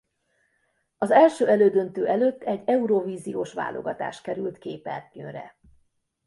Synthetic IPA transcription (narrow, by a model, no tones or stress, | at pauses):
ɒzɛlʃøːɛløːd̪ønt̪øːʔɛløt̪ːɛɟːɛuɾoviːzijoːʃʋa̰ːlʔo̰ɡɒt̪a̰ːʃtkɛɾylt̪keːpɛ̰rtøɾɛ̰